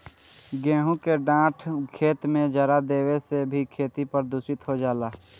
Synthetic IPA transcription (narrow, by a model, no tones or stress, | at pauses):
ɡɛ̃ːɦũkeɖãːʈʰkʰeːt̪mẽd͡ʒəɾad̪eːwesebʱikʰeːt̪ipəɾd̪usɪt̪ɦod͡ʒaːlaː